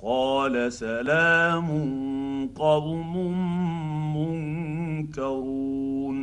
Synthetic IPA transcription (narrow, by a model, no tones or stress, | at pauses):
qɑːlasalaːmʊnqɑbmʊmː | ʊŋkaɾuːn